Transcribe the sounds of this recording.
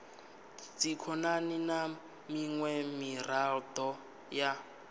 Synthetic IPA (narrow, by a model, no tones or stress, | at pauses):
d͡zikʰɔnanina | miŋwɛmirald̪ɔ | ja